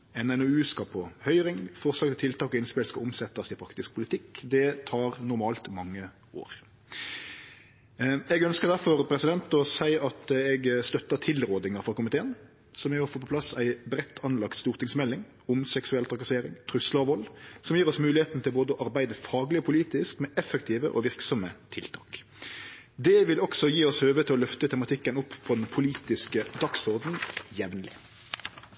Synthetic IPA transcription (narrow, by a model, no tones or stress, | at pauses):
ɛnɛnoʉːskɑpʰɔhœʏɾɪŋfɔʁslɑkt̪ɪt̪ʰɪlt̪ɑːkɔɪnspɪlskɔɔmsɛt̪ːɑsɪpʰɾɑkt̪ɪsk̚pʰʊlɪt̪ʰɪkːd̪ɛt̪ʰɑːʁnʊɾmɑːlt̪mɑŋːə | o̰ːɾ | ɛɡœnskəʁd̪æɾfɔʁpʰɾɛsɪd̪ɛnt̪ɔsæɪɑt̪ɛɡst̪œt̪ːət̪ʰɪlɾoːd̪ɪŋɑɾfʁɑkʊmɪt̪ʰeːən | sɔmɛɔfəpʰɔplɑsæɪbɾɛt̪ʰːɑnlɑkt̪st̪uːɾt̪ʰɪŋsmɛlːɪŋ | ʊmsɛksʉɛlt̪ʰʁɑkɑseːɾɪŋt̪ʰɾʉsləɔʋɔlːsɔmjiːɾʁɔsmʉːlɪheːt̪n̩t̪ʰɪlboːd̪əɔʔɑɾbæɪd̪əfɑːɡlɪɔpʰʊliːt̪ɪskmɛʔɛfəkt̪ʰiːʋə̰ʔɔ̰ʋɪʁksɔmət̪ʰɪlt̪ʰɑ̰ːk | d̪ɛʋɪlɔksɔjiːɔshøːʋət̪ʰɪlɔlœft̪ət̪ʰɛmɑt̪ʰɪkːənʊpːpʰːɔd̪ɛnpʰʊliːt̪ɪskəd̪ɑksɔʁd̪n̩jɛʋnlɪ̰